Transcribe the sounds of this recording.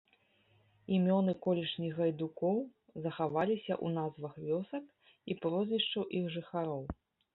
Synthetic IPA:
imʲɔnɨkɔlʲiʂnʲiɣɐjd̪ukɔw | zɐxavalʲisʲɐ̰ʔṵnazvɐxvʲɔsɐk | ipɾɔzvʲiʂt͡ʂɐwʔiɣʐɨxaɾɔw

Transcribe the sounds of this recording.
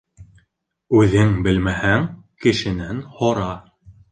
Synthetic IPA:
ʉðɘŋbɘlmæhæŋkɘ̆ʃɘ̆nænhoɾɑ

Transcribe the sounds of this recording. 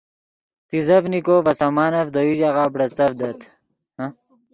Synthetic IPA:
t̪izɐfnikoːvɐsɐmaːnɐfd̪ɐwiʑaʁaːbɽɐt͡sɐfd̪ɐt̪ʰ

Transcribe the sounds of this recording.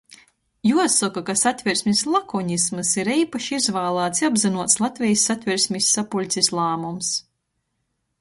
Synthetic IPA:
juɔsɔkakasat̪ʲvʲiɾsʲmʲisʲlˠakɔɲismɨsiɾiːpaʃizvaːlˠaːt̪sabzinuɔt̪slˠat̪ʲvʲɛjsːat̪ʲvʲiɾsʲmʲisːapulʲt̪sʲislˠaːmums

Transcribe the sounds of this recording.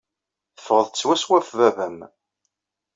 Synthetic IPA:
θə̥fʁəðˤt͡sːwæswæfvævæm

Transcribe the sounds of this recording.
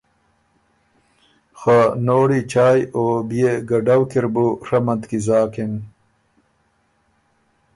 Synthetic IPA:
xanoːɽit͡ɕaːjobijeɡɐɖawkiɾbuɾɐmɐnt̪kizaːken

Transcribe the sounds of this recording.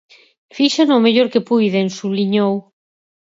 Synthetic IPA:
fiʃanomeʎoɾkepujðensuβliɲow

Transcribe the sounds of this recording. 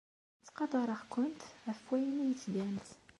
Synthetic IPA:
t͡sːqɑd̪ˤɑɾˤɑxkʊnt̪æfwæjənijt͡sːd̪ænt̪

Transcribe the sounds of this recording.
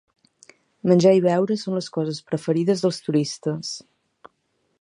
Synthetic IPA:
mənʲd͡ʒaiβɛwɾəsonləskɔzəspɾəfəɾiðəzðəlˠst̪uɾist̪əs

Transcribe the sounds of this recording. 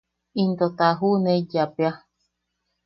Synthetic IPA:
int̪ot̪aɦunẽd͡ʒapea

